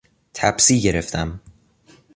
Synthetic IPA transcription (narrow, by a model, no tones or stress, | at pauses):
t̪ʰæbsiːɟe̞ɾeft̪ʰæm